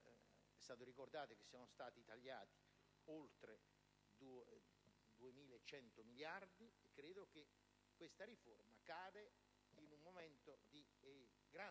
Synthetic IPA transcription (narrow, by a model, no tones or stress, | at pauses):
ɛst̪aːt̪oɾikord̪aːt̪ek̟esːiɔːnost̪aːt̪it̪aʎːaːt̪i̥ | olt̪ɾe | d̪u | d̪uemiːleet͡ʃːɛnt̪omiljard̪iekːɾeːd̪ok̟e | kːwest̪aɾiformakaːd̪e | inumːomɛnt̪od̪i | ɡɾa